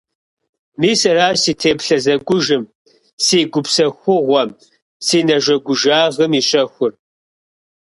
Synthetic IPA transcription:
miːsɐraːsiːtʰeːpɬɐzɐɡʷʊʒɨm | siːɡʷʊpsɐxʷʊʁʷɔm | siːnɐʒʷɐɡʷʊʒaːʁəmiɕʼɐxʷʊr

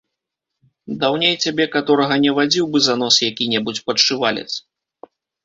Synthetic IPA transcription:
d̪awnʲejt͡sʲabʲɛkat̪ɔɾɐɣɐnʲɛvad͡zʲiwbɨzan̪ɔsjakʲinʲɛbut͡sʲpɐt͡ʂːɨvalʲɛ̰t͡sʲ

